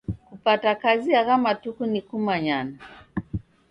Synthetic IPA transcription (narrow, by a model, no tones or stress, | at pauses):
kupatakaziakamatukunikumaɲana